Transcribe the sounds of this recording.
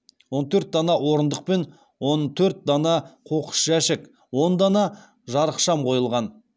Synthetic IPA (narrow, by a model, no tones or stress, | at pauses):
wo̞nt̪ʰɵɾt̪̚d̪ɑnɑwo̞ɾənd̪əq̚pe̞n | wo̞nt̪ʰɵɾt̪̚d̪ɑnɑqʰo̞qə̥ʃʒæʃɪk | wo̞nd̪ɑnɑ | ʒɑɾəqʃɑmqʰo̞jəlˠʁɑn